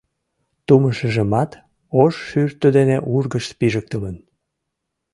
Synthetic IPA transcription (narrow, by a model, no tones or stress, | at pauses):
t̪uməʃəʒəmɑt̪ | oʃːyrt̪əd̪eneʔurɣəʃpiʒək̚t̪ələn